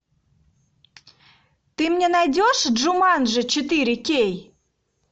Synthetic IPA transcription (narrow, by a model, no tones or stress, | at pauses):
t̪ɨmnʲenɑjdʲoʃʒumɑnʒə̆t͡ɕət̪iɾʲɪkʲej